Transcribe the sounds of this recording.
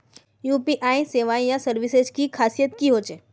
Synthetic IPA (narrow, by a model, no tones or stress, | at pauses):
juːpiʔaːiseːʋaːĩjasəɾʋɪsed͡ʒkikʰaːsijət̪kiɦoːt͡ʃeː